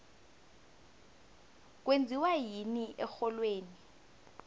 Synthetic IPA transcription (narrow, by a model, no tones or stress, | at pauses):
k̬wend͡zʱiwajiniʔɛxɔlweːni